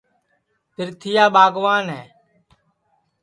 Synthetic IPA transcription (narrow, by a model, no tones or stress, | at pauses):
t̪ɪɾt̪ʰɪjaːɓaːɡʋaːnɦɛː